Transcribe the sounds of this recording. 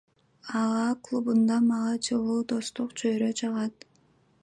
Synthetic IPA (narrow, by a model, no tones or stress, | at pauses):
ɑʁɑklˠubund̪ɑmɑʁɑd͡ʒɯlˠuːd̪ost̪uqt͡ʃʰøjɾøt͡ʃʰɑʁɑt̪